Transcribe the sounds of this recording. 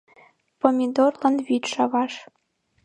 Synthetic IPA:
pomʲid̪orlˠɤ̆nvʲit̪ʂɑvɑʂ

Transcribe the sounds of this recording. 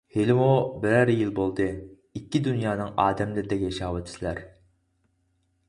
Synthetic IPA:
helɪmubɪɾɛɾjilˠbolˠd̪ɨ | ikʲːid̪ynjɑːnɨŋɑːd̪ɛmlɪɾɪd̪ɛkʲjʃɑːwɪt̪ʰːɪslæɾ

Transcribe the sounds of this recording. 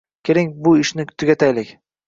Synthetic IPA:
kʲʰeɾɪŋbʊɪʃnɪt̪ʰʊɡʲat̪ʰajlɪkʲ

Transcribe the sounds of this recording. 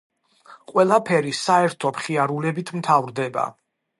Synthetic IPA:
qʼwɛlˠapʰɛɾisaɛɾt̪ʰɔpχiaɾulɛbit̪ʰmt̪ʰavɾd̪ɛba̰

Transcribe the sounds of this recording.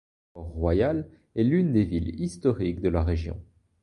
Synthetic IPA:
ɔʁːwajal | ɛlynd̪evilist̪ɔʁikd̪əlaʁeʒjɔ̰̃

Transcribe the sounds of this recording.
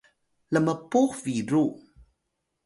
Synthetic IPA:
ləməpuxviɾu

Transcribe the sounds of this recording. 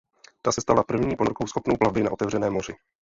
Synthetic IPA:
t̪asɛst̪alapr̩vɲiːponɾkowsxo̞pnowplavbɪna̰ʔo̞t̪ɛvrɛnɛːmo̞rɪ

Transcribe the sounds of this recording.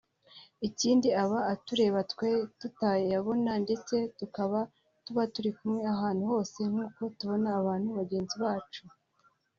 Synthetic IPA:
iciːndiaβaːtuɾe̞ːβatwe̞tutajeaβo̞nande̞t͡se̞tukaβa | tuβatuɾikumŋe̞aɦaːn̥huho̞ːse̞ŋ̥huːko̞tuβo̞naːβaːn̥huβaɟe̞ːnziβaːt͡ʃu

